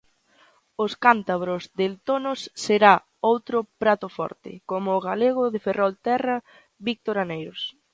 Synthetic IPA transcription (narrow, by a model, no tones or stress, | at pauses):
ʊskant̪aβɾʊzðelt̪onʊsːeɾa | owt̪ɾʊpɾat̪ʊfɔ̰ɾt̪ɪ̰komʊːɣaleɣ̞ʊðeferʔɔlt̪ɛrɐ | βik̚t̪oɾanejɾʊs